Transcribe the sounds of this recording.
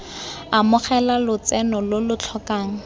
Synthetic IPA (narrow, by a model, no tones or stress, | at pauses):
amʊχɛlalʊt͡sɛnɔlolʊt͡ɬʰɔkaːŋ̩